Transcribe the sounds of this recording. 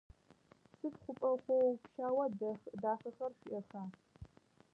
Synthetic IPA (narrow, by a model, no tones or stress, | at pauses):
sɨfχʷʊpʼɐχʷɔwpʃaːwɐdɐxdaːfɐxɐrʃʷiʔɐxaː